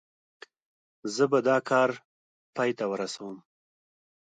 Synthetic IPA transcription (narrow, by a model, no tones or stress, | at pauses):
zəbad̪ɑkʰɑːɾ | pɑjt̪awəɾasawəm